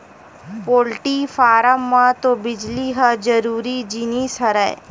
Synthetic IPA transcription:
poːlʈiːfʰaːɾəmːãt̪õbɪd͡ʒliɦəd͡ʒəɾuːɾid͡ʒinisəɾɛ̰ː

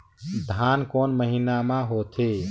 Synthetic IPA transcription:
d̪ʱankonməɦinamãɦot̪ʰe

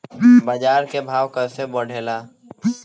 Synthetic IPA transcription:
bad͡ʒaːɾkebʱaːʋkəɾseboɽ̤ʱeːlaː

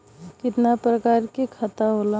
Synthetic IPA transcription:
kɪt̪napɾəkaːɾkikʰɐt̪aɦola

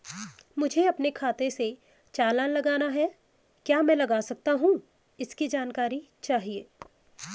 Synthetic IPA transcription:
mʊd͡ʒʱeɐpnekʰaːt̪ẽse | t͡ʃaːlãːnlɐɡaːnaɦɛ | kjaːmɛ̃ːlɐɡaːsɐk̚t̪aɦũ | ɪskid͡ʒaːnkaːɾi | t͡ʃaːɦieː

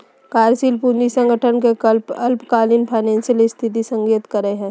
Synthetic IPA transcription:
kaːɾsiːlpund͡ʒisə̃ŋɡʱəʈʰənkekəlpɐlpkaːlinpʰaɪnẽːnsiəlist̪ʰɪt̪̬isə̃ŋɡiːt̪kəɾəeɦɛ̃ː

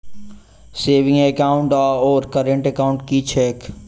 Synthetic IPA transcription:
seːʋɪ̃ŋekaːʊ̃ɳʈaɔːɾkəɾə̃ɳʈekaːʊ̃ɳʈkit͡ʃʰɛːk

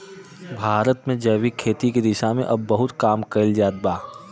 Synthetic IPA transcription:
bʱaːɾət̪mẽd͡ʒɛːwikʰeːt̪ikid̪ɪʃamḛ̃ʔɐbːɐɦʊt̪kaːmkɐld͡ʒaːd̪̚baː

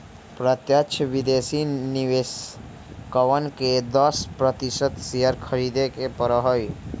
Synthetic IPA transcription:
pɾət̪jəʃʰəʋid̪esiniʋes | kəʋənked̪əspɾət̪isət̪sijəɾkʰəɾid̪ekepəɾəɦəj

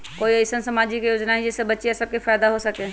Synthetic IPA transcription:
koːiɐɪsənsɐmaːd͡ʒikejoːd͡ʒnaɦɛ̃d͡ʒɛsebɐtːʃiɛsɐb̚kifaːjd̪aɦosɐkẽː

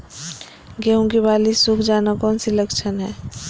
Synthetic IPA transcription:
ɡeɦũɡibaːlisukʰd͡ʒaːnakɔːnsiləkt͡ʃʰənɦɛː

